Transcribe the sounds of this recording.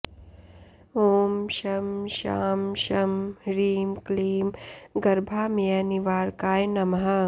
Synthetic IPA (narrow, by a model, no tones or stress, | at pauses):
oːmʃɐmʃa̰ːmʃɐmɾiːmkliːmɡɐɾbʱaːmijaniʋaːɾkaːjnɐmɦa